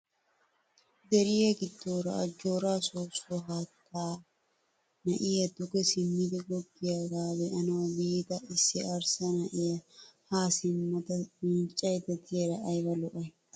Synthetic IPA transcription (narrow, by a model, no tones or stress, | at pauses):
d̪ɛɾɪjɐɡɪd̪ːoːɾɐ̰ʔɐd͡ʒːoːɾaːsoːsoɦatʰːaː | nɐʔɪːjɐd̪ʊkɛsɪmːɪd̪ɛɡɔɡːɪjɐɡaːbɛʔɐnɐwɐbiːt̪ɐɪsːɪɐɾsɐnɐʔɪɐhaːsɪmːɐt̪ɐmɪnt͡ʃʼːɐjt̪ɐt̪ʰɪɛɾɐʔɐjbɐlɔʔɐ